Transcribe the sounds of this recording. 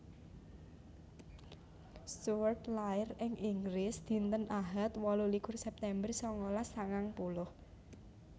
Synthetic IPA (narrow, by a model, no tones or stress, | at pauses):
suərt̪laɪrɪŋʔiŋɡlɪsd̪̥i̤nt̪ənʔaɦat̪wɔlulikʊrsɛp̚t̪ɛmbərsɔŋɔlasaŋaŋpulʊh